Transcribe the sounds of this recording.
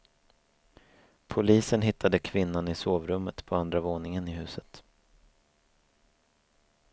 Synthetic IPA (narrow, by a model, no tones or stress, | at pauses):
pʰʊliːsənɦɪt̪ʰːad̪əkʰvɪnːanɪsoːvɾɵmːət̪pʰɔand̪ɾavoːnɪŋənɪɦʉ̟ːsət̪